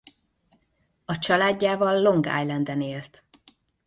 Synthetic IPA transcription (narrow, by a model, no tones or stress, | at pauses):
ɒt͡ʃɒlaːɟːaːvɒlːo̞ŋɡa̰ːjlɛnd̪ɛneːlt̪